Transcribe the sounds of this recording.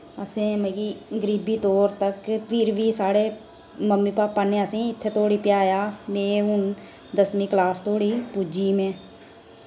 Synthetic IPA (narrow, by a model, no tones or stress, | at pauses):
əsẽːməɡiːɡəɾiːbiːt̪oːɾt̪əkpʰɪɾʋiːsaːɽeː | məmːiːpaːpːaːnẽːəsĩːɪt̪ʰːeːt̪ʰoːɽiːpɪjaːjaːmẽːɦʊn | d̪əsmĩːklaːst̪ʰoːɽiːpud͡ʒiːmẽː